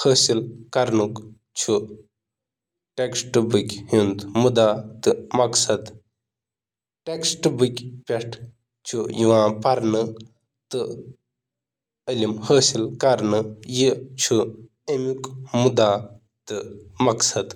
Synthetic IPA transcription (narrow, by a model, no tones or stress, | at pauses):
həːsilkɐɾnuk | t͡ʃʰu | ʈeksʈɨbɨkʲhund̪mud̪aːt̪ɨmɐksɐd̪ | ʈeksʈɨbɨkʲpʲeʂʈʰ | t͡ʃʰujiʋãːpɐɾnɨ | t̪ɨ | əlimhəːsilkɐɾnɨjit͡ʃʰu | emukmud̪aː | t̪ɨmɐksɐd̪